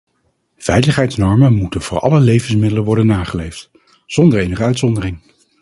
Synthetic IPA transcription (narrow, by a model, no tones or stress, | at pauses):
v̥ɛjləχɦɛjtsnɔɹmənmutənvʊːɹɑ̰ləlejvənsmɪdələnʋɔɹdənːaːχəlejft | z̥ɔndəɹejnəχəœɥtsɔndərɪŋ